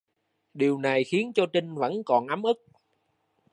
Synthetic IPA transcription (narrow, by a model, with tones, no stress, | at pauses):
ɗi˨˩əwna˨˩jxi˨˦ənt͡ɕɔ˧t͡ɕï˧ŋ̟və̰˧˥nkɔ˨˩nʔa˨˦mʔɨ˦˥k̚